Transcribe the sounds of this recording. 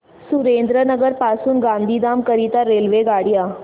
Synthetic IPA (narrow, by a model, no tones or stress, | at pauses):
suɾeːnd̪ɾənəɡəɾpaːsuːnɡãnd̪ʱiːd̪aːmkəɾiːt̪aɾelʋeɡaːɽija